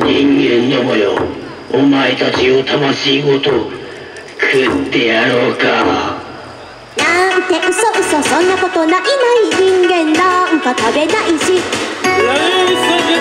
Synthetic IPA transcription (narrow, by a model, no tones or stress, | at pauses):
ɲĩŋɡẽnːomojo̰ː | maet̪at͡ɕiot̪ʰamaɕiːɡot̪o | kʰɯt̪e̞jaɾoːka | nant̪eʔɯ̟soʔɯ̟sosõnːakot̪onaʔimaiɲĩŋɡẽnd̪aɯ̃kat̪abenaʔiɕi